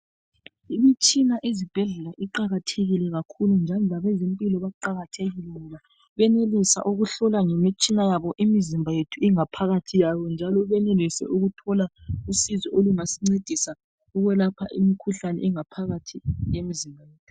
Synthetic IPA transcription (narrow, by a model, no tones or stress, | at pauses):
imit͡ʃʼinaʔezib̥ʱɛɮɛlaʔiǃaɣatʰeɣilɛɣakʰulund͡ʒʱalɔlaβɛzimpʼilɔβaǃaɣatʰeɣilɛŋɔβa | βɛnelisa̰ʔuɣuɬɔlaŋemit͡ʃʼinajaβɔʔimizimbʱajetʰuiŋapʰaɣatʰijaβɔnd͡ʒʱalɔβɛnelisɛ̰ʔuɣutʰɔlausizɔoluŋasiŋ͡ǀed̥ʱisa | uɣɛlapʰaʔimikʰuɬanɛ̰iŋapʰaɣatʰijemizimbʱajeːtʰu̥